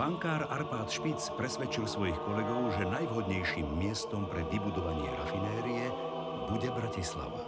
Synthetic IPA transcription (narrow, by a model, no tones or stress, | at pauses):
baŋkaːɾaɾpaːt̪ʃpit͡spɾɛsʋɛt͡ʃilsʋɔjixkɔlɛɡɔʊʒɛnajʋɦɔd̪ɲɛjʃiːmːɪɛst̪ɔmpɾɛʋibud̪ɔʋaɲɪɛ̰ɾa̰finɛːɾiɛ | buɟɛbɾacisla̰ʋa̰